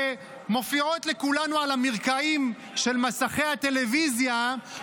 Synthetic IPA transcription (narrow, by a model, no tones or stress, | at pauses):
e | mo̞fiot̪le̞kulanualamiʁkaim | ʃe̞lmasaχe̞jhat̪e̞le̞vizja